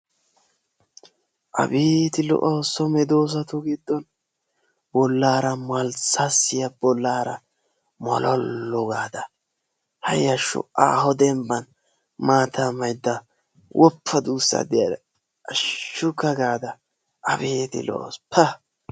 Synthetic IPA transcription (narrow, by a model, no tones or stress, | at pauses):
ʔɐ̰beːt̪ɪlɔ̰ʔosɔmɛd̪oːs̬ɐt̪ʊɡɪd̪ːɔn | bɔlːaːɾɐmɐlsasːɪjɐbɔlːaːɾɐ | mɔ̰lʔɔ̰lːɔɡaːd̪ɐ | hɐ̰jɐʃʊ̰ʔa̰ːɦɔd̪ɛmbɐn | maːt̪ʰamɐjd̪ːɐ | wʔɔpʰːɐd̪uːsːɐ̰d̪ɪjɐd̪ | ɐʃʊkːɐɡaːd̪ɐ | ʔɐ̰beːt̪ɪ̰lɔ̰ʔspʰɐ